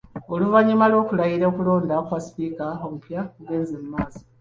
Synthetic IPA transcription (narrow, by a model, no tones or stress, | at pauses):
oluvaɲumalwo̞ːkulajiɾeokulo̞ːndakwaspiːkaomupjakuɡe̞ːnzemumaːzo̥